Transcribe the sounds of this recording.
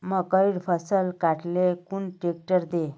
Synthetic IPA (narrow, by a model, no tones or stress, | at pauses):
məkəiɽfʰəsəlkaʈlekuɳʈek̚ʈəɾd̪e